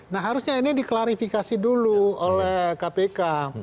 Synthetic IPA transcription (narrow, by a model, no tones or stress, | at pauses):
nahɦaɾusɲainidiklaɾifikasiduluolɛhkapeka